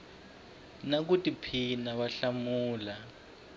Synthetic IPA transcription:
nak̬utipʰinaβaɬamuːla

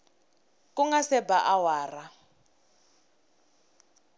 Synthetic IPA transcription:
kʼuŋɡasɛbaʔawaːra

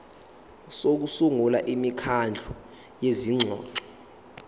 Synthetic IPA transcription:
sok̬usuŋula̰ʔimikʰand͡ɮʱu | jeziŋ͡ǀʱɔ̰ːǁɔ

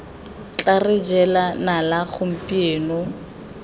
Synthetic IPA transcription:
t͡ɬʼarɪd͡ʒɛlanalaɣʊm̩pieːnɔ

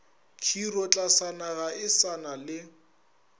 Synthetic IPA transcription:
kʰirɔt͡ɬʼasanaɣaɪsanalɪ

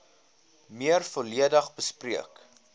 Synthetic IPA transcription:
miərfuəliədəχbəspriək

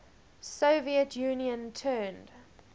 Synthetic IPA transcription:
soʊviətʰjuːniə̃ntʰɜːnd̥

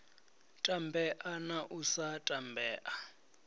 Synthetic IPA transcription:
tʼambʱɛʔanaʔusatʼambʱɛːʔa

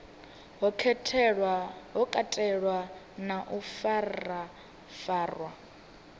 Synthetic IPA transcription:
ɦɔkʰɛtʰ | ɦɔkʼatʼɛɺwa | naʔufara | faːrwa

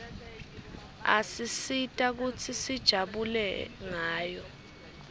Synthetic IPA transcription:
a̰sisitʼak̬ut͡sʰisid̥ʒ̥ʱaɓulɛŋaːjɔ

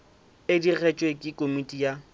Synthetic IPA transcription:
ɪdiɣɛt͡ʃʼwekʼɪkʼomitʼija

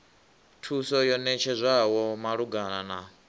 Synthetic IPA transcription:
tʰusɔjɔnɛt͡ʃʰɛzʷawɔmaɺuɡanana

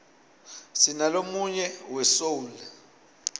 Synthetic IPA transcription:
sinalomuɲɛwɛsoːlɛ

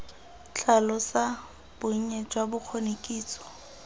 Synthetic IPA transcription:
t͡ɬʰalɔsa | b̥ʊɲ̩ɲɛd͡ʒwabʊk͡xʰonekʼiːt͡sɔ̥

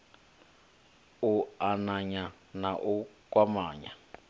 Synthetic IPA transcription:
uanaɲa | naʔukʼwamaːɲa

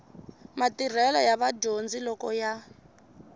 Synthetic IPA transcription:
matir̤ɛlɔjaβaɟond͡zilɔkɔja

